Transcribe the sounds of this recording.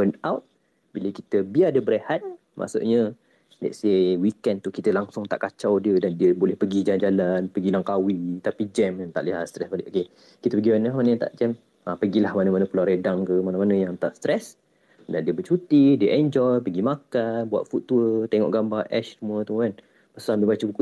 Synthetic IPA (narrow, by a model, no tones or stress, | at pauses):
pənawt̪̚ | biləkit̪əbiadəbəɾehat̪̚ | mʔa̰ʔsṵʔɲə | da̰jsewikɛnt̪ukit̪əlaŋsʊŋt̪a̰ʔkat͡ʃawdiədandiəbolɛhpəɡid͡ʒand͡ʒalanpəɡilaŋkawit̪apid͡ʒɛmant̪aʔliɦat̪st̪ɾɛsbaliʔoke | kit̪əpəɡimanəlahmanə̃jaŋt̪a̰ʔd͡ʒɛm | apəɡilahmanəmanəpəlaɾedaŋkəmanəmanəjaŋt̪aʔst̪ɾɛs | dandiəbət͡ʃut̪idiəʔɛɲd͡ʒɔjpəɡimakanbua̰t̪̚fut̪ːuət̪ɛŋɔ̰ʔɡambaʔɛʃsumuət̪ukan | pasuanbəbat͡ʃəbuku